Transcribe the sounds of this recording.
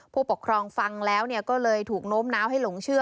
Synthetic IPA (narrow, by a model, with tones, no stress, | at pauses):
pʰu˥˩po˨˩kʰɾɔː˧ŋfa˧ŋlɛː˦˥wni˥˩əkɔː˥˩lɤː˧jt̪ʰuː˨˩k̚noː˦˥mnaː˦˥wɦa˥˩jlo˩˦ŋt͡ɕʰɯ˥˩ə